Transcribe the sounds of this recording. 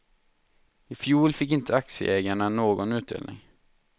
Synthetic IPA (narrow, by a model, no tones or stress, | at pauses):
ɪfjuːlfɪkːɪnt̪əaksɪə̰ʔeːɡaɳanoːɡɔnʉ̟ːt̪̚d̪ḛːlnʔɪ̰ŋ